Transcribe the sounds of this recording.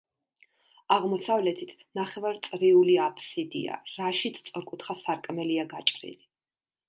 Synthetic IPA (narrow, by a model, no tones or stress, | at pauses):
aʁmɔsavlɛt̪ʰit̪ʰnaχɛvaɾt̪sʼɾiuliapʰʼsid̪ḭa̰ɾaʃit̪sʰtsʼɔɾkʼut̪ʰχasaɾkʼmɛliaɡat͡ʃʼɾḭli